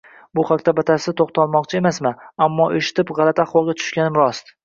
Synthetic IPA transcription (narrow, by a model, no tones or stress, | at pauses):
bʊχakʲt̪abat̪ʰasɪt̪ʰoχt̪ʰɒlˠmɒqt͡ʃʰɪe̞masmaamːɒʔe̞ʃɪ̥t̪ʰɪpʁɑlat̪ʰaːχwɒlˠɡʲat̪ʰʊ̥ʃkʲanɪmɾɒst̪